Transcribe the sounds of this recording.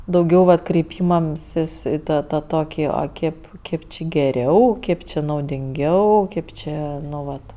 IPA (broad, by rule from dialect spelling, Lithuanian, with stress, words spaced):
dɐʊˈɡʲɛʊ ʋɐt krʲɛɪˈpʲiːmɐmʲsʲɪs ɪ ˈtɑː tɐ ˈtoːkʲɪ ɐ ˈkʲeːp ˈkʲeːp t͡ʃʲɪ ɡʲɛˈrʲɛʊ ˈkʲeːp t͡ʃʲɪ nɐʊdʲɪŋʲˈɡʲɛʊ ˈkʲeːp t͡ʃʲɪ ˈnʊ ˈʋɐt